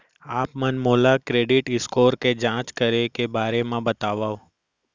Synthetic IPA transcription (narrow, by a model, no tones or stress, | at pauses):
aːpmənmolakɾeɖɪʈɪskoːɾked͡ʒãːt͡ʃkəɾekebaːɾemãbət̪aʋaʋ